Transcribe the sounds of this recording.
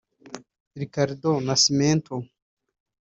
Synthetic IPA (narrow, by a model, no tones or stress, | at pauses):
ɾikaɾid̪onasiment̪o